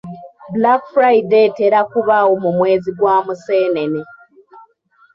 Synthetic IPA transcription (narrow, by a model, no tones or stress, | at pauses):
bulakfɾaide̞teɾakuβawomumwe̞ːziɡwaːmuse̞ːne̞ne